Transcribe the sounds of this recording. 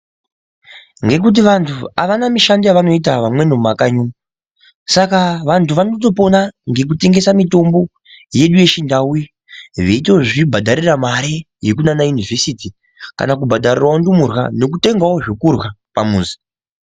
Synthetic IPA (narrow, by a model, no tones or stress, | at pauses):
ŋɡe̞k̬ut̬iʋantʰua̰ʋanamiʃandijaʋano̞it̬aʋamwe̞no̞makaɲuma | sakaʋantʰuʋanot̬o̞p̬o̞naŋɡe̞k̬ute̞ŋɡe̞samito̞mbo̞ | je̞ɗuje̞ʃindawu | ʋeitoʐibʱadʱaɾiramaɾe | jekunanajunivʱe̞siti | ka̰nak̬ubʱadʱarirwaondumurwa̰no̞kute̞ŋɡawoʐikurwapamuːzi̥